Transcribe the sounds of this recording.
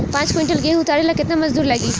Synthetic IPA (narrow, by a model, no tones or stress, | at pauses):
pãːt͡ʃkẽɳʈɐlɡeːɦũt̪aːɽelakɪt̪namɐzd̪uːɾlɐɡiː